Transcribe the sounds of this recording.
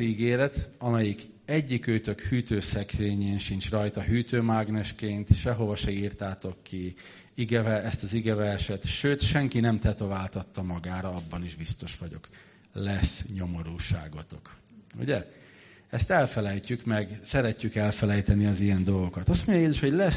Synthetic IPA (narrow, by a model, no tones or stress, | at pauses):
iɡeːɾɛt̪ɒmɛjik | ɛɟːikøːt̪ø̞khyːt̪øːsɛkreːɲeːnʃint͡ʃrɒjt̪ɒɦyːt̪øːmaɡnɛʃkeːnt̪ʃɛɦo̞vɒʃɛiːrt̪aːt̪okːi | iɡɛvɛɛst̪ɒziɡɛvɛrʃɛt̪ʃøːt̪ʃɛŋkinɛmt̪ɛt̪o̞vaːlt̪ɒt̪ːɒmɒɡaːɾɒɒbːɒniʒbist̪o̞ʃʋɒɟo̞̰k | lɛsɲo̞mo̞ɾuːʃa̰ːɡo̞t̪o̞k | ṵɟɛ | ɛst̪ɛlfɛlɛjcykmɛɡsɛɾɛcːykɛlfɛlɛjt̪ɛniɒzijɛnd̪o̞lɡo̞kɒt̪ɒst̪mo̞ɲɟɒjeːzuʃho̞ɟlɛs